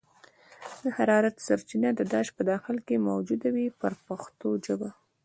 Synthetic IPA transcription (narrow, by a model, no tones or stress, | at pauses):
d̪əhaɾɑɾat̪saɾt͡ʃinad̪əd̪ɑʃpəd̪ɑxɪlkemowd͡ʒud̪awipəɾpaxt̪oʒəba